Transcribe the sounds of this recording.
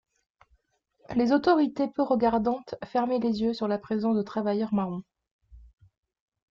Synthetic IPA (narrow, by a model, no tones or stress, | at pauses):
lezot̪ɔʁit̪epøʁəɡaʁd̪ɑ̃t̪fɛʁmelezjøsyʁlapχezɑ̃sd̪ət̪χavajœʁmaʁɔ̃